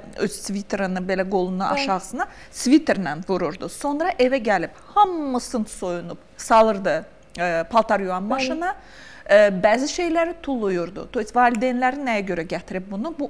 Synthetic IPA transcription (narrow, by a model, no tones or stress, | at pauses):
øsvit̪ʰɾanɯbelʲɛɡo̞lˠunuʔa̰ʃaːsɯna | svit̪ʰɾnænvuɾuɾd̪uso̞nɾaʔevɛɟɛlʲiphamːusɯnt̪so̞junup | salˠɯɾd̪ɯ | ɯpʰalˠt̪ʰaɾjuanmaʃɯna | ɯbɛːziʃe̞jlʲæɾit̪ʰulˠːujuɾd̪ʊ̰t̪ʰoisvaːlʲid̪enlʲæɾinejɛɟø̞ɾɛɟɛt̪ʰiɾip̚bunubu